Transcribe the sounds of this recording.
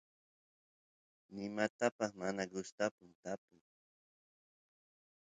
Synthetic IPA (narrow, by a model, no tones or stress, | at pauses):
nɪmat̪apɑχmanaɡʊst̪apʊmt̪apʊj